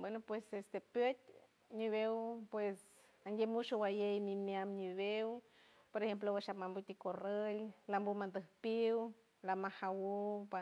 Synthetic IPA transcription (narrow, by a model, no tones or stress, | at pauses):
bwenopwesest̪epjət̪ | niβewpwes | aŋɡʲemut͡ʃowajejmimjamɲiβew | poɾexemp̬lowaʃapmambut̪ikorellambumand̪əhpiw | lamahawupa